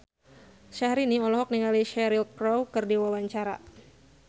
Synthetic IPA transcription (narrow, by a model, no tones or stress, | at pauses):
ʃahɾiniɔlɔɦɔk̚niŋaliʃɛɾilkɾɔwkɨrdiwawaɲt͡ʃaɾa̰